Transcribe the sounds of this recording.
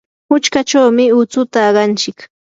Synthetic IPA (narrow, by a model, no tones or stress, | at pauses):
hʊt͡ʃkat͡ʃawmɪʊt͡sʊt̪aːɢɑnt͡ʃɪk